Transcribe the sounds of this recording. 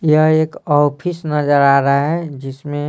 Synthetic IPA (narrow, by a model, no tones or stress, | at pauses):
jəɦeːkɔːpʰisnəd͡ʒəɾaːɾaɦɛd͡ʒɪsmẽ